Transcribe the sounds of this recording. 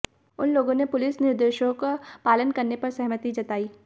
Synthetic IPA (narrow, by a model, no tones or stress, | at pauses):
ʊnloːɡõnepʊlɪsnɪɾd̪eːʃokopaːlənkɐɾnepɐɾsɐɦmət̪id͡ʒɐt̪aːiː